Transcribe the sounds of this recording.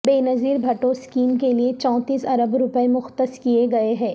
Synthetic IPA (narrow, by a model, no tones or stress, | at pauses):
beːnɐziːɾbʱɐʈoskiːmkeliet͡ʃɔ̃ːt̪iːsɐɾəbɾʊpəemʊxt̪əskieɡɐeɦɛ̃ː